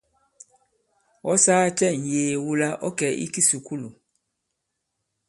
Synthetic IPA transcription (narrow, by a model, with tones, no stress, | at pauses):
ɔ˦saː˦t͡ʃɛ˦˨n̩˨jeː˨wu˦la˦ʔɔ˦kɛ˨ʔḭ˦ki˦su˨ku˦lu˨